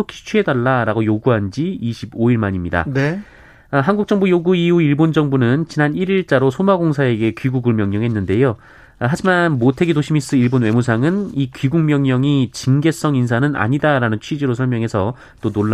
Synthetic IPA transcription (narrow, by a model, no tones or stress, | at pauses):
okʰi̥t͡ɕʰiɦe̞daɭːaɾaɡojoɡuɦand͡ʑiiɕʰiboiɭmaɲimɲida̰ne | ɦanɡuk̚t͡ɕ͈ʌŋbujoɡuiuiɭbond͡ʑʌŋbunɯnt͡ɕinaniɾiɭt͡ɕ͈aɾosʰomaɡoŋsʰae̞ɡe̞kɥiɡuɡuɭmjʌŋɲʌŋɦe̞nːɯnde̞jo | ɦad͡ʑimanmotʰe̞ɡidoɕʰimis͈ɯiɭbonwe̞musʰaŋɯnikɥiɡuŋmjʌŋɲʌŋit͡ɕiŋɡe̞s͈ʌŋinsʰanɯna̰ɲidaɾanɯnt͡ɕʰɥid͡ʑiɾos̬ʰʌɭmjʌŋɦe̞sʰʌ | t͈onoɭː